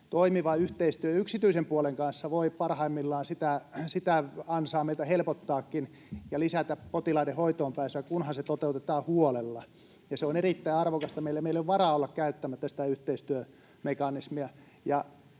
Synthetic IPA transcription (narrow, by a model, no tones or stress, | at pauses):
t̪oimiʋɑyht̪eist̪yøjyksit̪yisempuoleŋkɑnsːɑʋoipɑrhɑimːilːɑːnsit̪æsit̪æɑnsɑːmeilt̪æhelpot̪ːɑːkːin | jɑlisæt̪æpot̪ilɑidehoit̪oːmpæːsækunhɑnset̪ot̪eut̪et̪ɑːhuolelːɑ | jɑseonerit̪ːæiɑrʋokɑst̪ɑmeilæmeilːeʋʋɑrɑolːɑkkæyt̪ːæmæt̪ːæsi̥t̪æyht̪eist̪yø | mekɑnismiæ | jɑ